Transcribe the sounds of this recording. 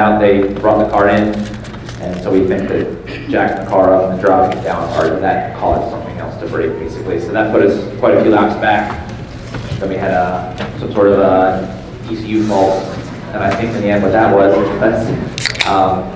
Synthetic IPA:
ʊ̃nðeɪbɹɔt̪̚ðəkʰɑɹɪ̃n | ʔɨ̃nsoʊwibɨ̃ntʰɨ̥ | d͡ʒ̥æk̚ðəkʰɑɹʌpn̩ðɨdɹɑvɪ̃ŋɨd̥ãʊ̃nɑ̰ɹɾɨðɨt̚kʰɔ̰zd̥sʌ̃mθɪ̃ŋɛ̰lˠstʰɨbɹḛɪk̚b̥eɪsɨklisoʊðət̚sfʰʌɾɨz̥kʰw̥aɪɾɨfjʉlaʊtsb̥æk̚ | ɨ̃twiɨɾʌsʌ̃msɔɹɾʌvʌ̥ | isijʉfɔlˠs | ɨ̃naɪθɪ̃ŋkɨ̃nðiɛ̃ndwʌt̪̚ðəʔ̚wʌzɛsʔʌ̃m

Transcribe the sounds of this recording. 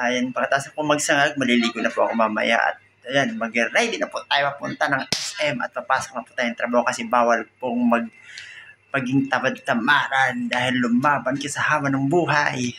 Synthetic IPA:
ʔajɐnpɐɡɐt̪aːsak̚pomɐɡ̚sɐŋaɡ̚mɐliliːɡʊnɐpʊʔɐ̰komɐmɐ̰ja̰ʔɐ̰t̪̚ | ɐjanmɐɡɛɾajd̪ɪnɐpʊt̪aːjomɐpʊ̰nt̪anɐŋʔɛsʔɛmɐ̰t̪̚pɐpaːso̥k̚nɐpʊt̪aːjʊŋt̪ɾɐbaːhokɐsɛbaːwɐlpoŋmɐɡ̚ | mɐɡɪŋt̪awad̪̚t̪ɐmʔaːɾɐnd̪aːhɪlːʊmːaːbɐnkasɐhaːmɐnɐŋbuːɦaj

